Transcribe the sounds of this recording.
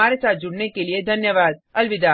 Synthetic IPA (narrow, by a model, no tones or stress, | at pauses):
aːɾesaːt̪̚d͡ʒʊɽnekelied̪ʱɐnjəʋaːd̪̚ɐlʋɪd̪aː